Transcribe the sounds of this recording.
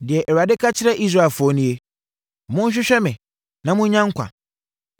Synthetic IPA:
dɪ˨ɛ˨ʔɛ˨ɾa˨dɪ˦kʰa˦t͡ɕʰɪ˦ɾɛ˦ʔi˦s̬ɾa˦˨e˨fʊ˨˦ɔ˦nʊ̃˦je˦ | ɔ˨mʊ̃˦n̩˦ɕ̬ᶣɪ˦ɕᶣɛ˦mɪ̃˨ | nã˦mʊ̃˦ɲ̩˦ɲã˦ŋ̩˦kʰʷa̰˨

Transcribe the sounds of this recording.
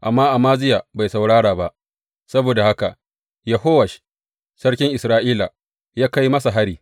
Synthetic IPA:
ʔa˨mːaː˦ʔa˨maː˦zɪ˦jaː˨ba˨jsa˨wɽaː˦ɽaː˨ba˦ʔ | sɐ˦boː˨da˨ha˦ka̰˨ | jɐ˨ɦoː˦wɐ˨ʃ | sɐ˦ɽkʲɪ˦ŋʔɪ˨sɾaː˦ʔiː˦la̰˨ | jaː˦ka˦jmɐ˦sa˨ɦa˦ɽiː˨

